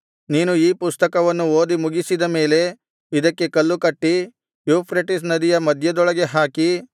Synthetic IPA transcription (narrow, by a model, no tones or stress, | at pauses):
niːnuiːpust̪ɐkɐʋɐnːuoːd̪imuɡisid̪ɐme̞ːle̞ | id̪ɐkːe̞kɐlːukɐʈːi | juːpʰɾeʈis̬nɐd̪ijɐmɐd̪ʱjɐd̪ɔɭɐɡe̞ɦaːki